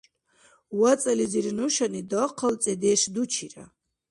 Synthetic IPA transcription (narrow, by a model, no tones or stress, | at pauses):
wat͡sʼɛliziɾnuʃanid̪ɔqʰəlt͡sʼɛd̪ɛːʃd̪ut͡ʃʰiɾa̰